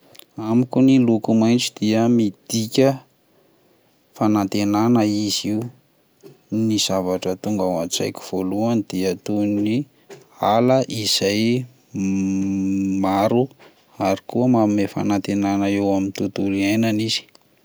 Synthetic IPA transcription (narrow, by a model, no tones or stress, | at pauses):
amikunilukumajnt͡sid̪̥iəmid̪̥ikʲə | fanant̪enanəiziu | niz̥avaʈ͡ʂət̪uŋɡawat͡sa̰jkʲu̥v̥oluanid̪̥iət̪uni | aləʔiz̥aj | maɾu | aɾikuəmammefa̰nant̪enanaewamint̪ud̪uɾiajnaniz̥i̥